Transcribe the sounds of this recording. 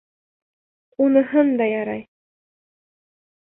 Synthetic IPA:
unɤ̆ɦɤnd̪ɑjɑɾɑ̰j

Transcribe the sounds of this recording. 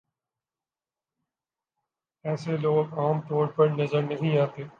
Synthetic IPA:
ɛːseloːɡaːmt̪ɔːɾpɐɾnɐzəɾnɐɦĩaːt̪eː

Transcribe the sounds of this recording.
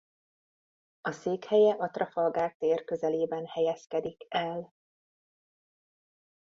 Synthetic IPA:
ɒseːkhɛjɛʔɒt̪rɒfɒlɡaːk̚t̪eːrkø̞zɛleːbɛnhɛjɛskɛd̪ikɛl

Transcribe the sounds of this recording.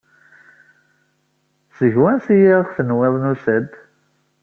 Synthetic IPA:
səʝwænsijiʁθənwɪðˤnusəd̪

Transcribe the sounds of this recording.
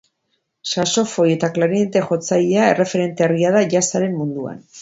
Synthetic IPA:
saso̞fo̞je̞t̪aklaɾient̪e̞ʝo̞t͡sajiae̞̰re̞fe̞ɾe̞nt̪eariaðaʝasaɾe̞mmund̪ua̰n

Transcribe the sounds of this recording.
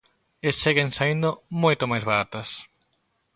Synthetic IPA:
est͡ʃeɣẽnsaĩnd̪omojt̪omajzβaɾat̪ɐs

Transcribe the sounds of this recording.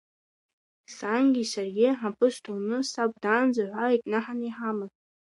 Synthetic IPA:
saŋɡʲisarɡʲɪħapʰɨʃtʰʼunɨsab̚ʷdand͡zaʕʷaikʼnaħaniħamɨ

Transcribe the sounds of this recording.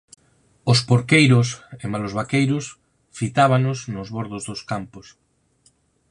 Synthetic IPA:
ospoɾkejɾʊsemalozβakejɾʊs | fit̪aβ̞anʊsnʊzβoɾðʊzðoskampʊs

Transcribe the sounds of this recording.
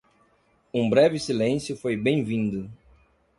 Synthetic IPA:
ũbɾɛvɪsilẽsjʊfojbẽj̃vĩnd̪ʊ

